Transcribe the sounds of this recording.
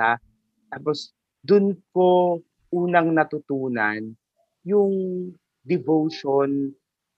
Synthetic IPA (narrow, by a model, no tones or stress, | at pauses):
a | t̪aːpos | d̪ʊnko | ʔuːnɐŋnɐt̪ʊt̪uːna̰n | jʊŋ | d̪ɪvowʃon